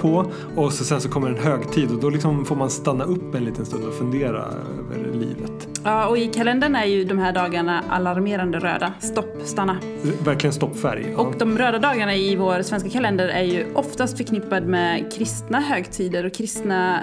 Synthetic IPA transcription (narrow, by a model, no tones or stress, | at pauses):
pʰɔ | ɔsɔsɛnsɔkʰɔmːəɾɛnɦøːɡt̪ʰiːd̪ɔd̪ɔlɪksɔmfoːɾmanst̪anːaɵpːɛnliːt̪ənst̪ɵnd̪ɔfɵnd̪eːɾa̰ | ø̰ːvə̰ɾlḭːvə̰t̪ | ɑːɔɪkʰalɛnd̪əɳaæɾjɵd̪ɔmhæːɖɑːɡaɳaʔa̰laɾmeːɾand̪əɾø̰ːd̪ast̪ɔpːst̪anːa | væɾklɪɡənst̪ɔpːfæ̰ɾjɔkd̪ɔmɾøːd̪ad̪ɑːɡaɳaɪvoːɾsvɛnskakʰalɛnd̪əɾæɾjɵʔɔft̪ast̪fœɾkʰnɪpːad̪mɛkʰɾɪst̪naɦøːɡt̪ʰiːd̪əɾɔkʰɾɪst̪na